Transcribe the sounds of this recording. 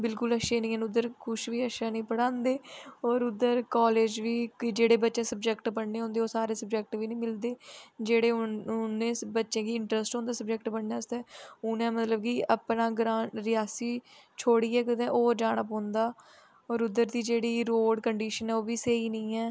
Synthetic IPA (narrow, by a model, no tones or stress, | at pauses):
bɪlkʊləʃeːnĩːɛ̃nʊd̪ːəɾkʰʊʃʋiːəʃaːnĩːpəɽãːnd̪eːɔːɾʊd̪əɾkaːleːd͡ʒʋiːkd͡ʒeːɽeːbətːʃẽːsəb̚d͡ʒɛkʈpəɳneːɦõːnd̪eːoːsaːɾeːsəb̚d͡ʒɛk̚ʈʋiːnĩːmɪld̪eːd͡ʒeːɽeːʊʊnːẽːbətːʃẽːkiːɪɳʈɾəsʈɦõːnd̪aːsəb̚d͡ʒɛkʈpəɳnaːst̪ɛ̃ːʊnɛ̃ːmət̪ləb̚kiəpnãːɡɾãːɾɪjaːsiːt͡ʃʰoːɽiːɛːkəd̪ẽːʔoːd͡ʒaːɳəpɔ̃ːnd̪aː | ɔːɾʊd̪ːəɾd̪iːd͡ʒeːɽiːɾoːɖkəɳɖiːʃənɦɛːoːʋiːsəiːnĩːɛː